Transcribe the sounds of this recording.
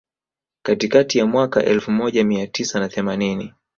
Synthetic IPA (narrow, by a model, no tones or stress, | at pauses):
katikatijamwaka̰ʔɛlfumɔʄamiatisanaθɛmanini